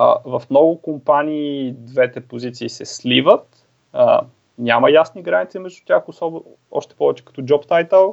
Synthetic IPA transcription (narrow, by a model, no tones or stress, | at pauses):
vɐfmnɔɡʊkompaniːd̪vɛt̪ɛpozit̪siːsɛslivət̪ | ə | nʲamɐjasniɡɾanit̪simɛʒd̪ut̪ʲaxʊsɔb | ɔ̰ʃt̪ɛ̥pɔvɛt͡ʃɛkɐ̥t̪ɔd͡ʒɔpt̪ajt̪əlˠ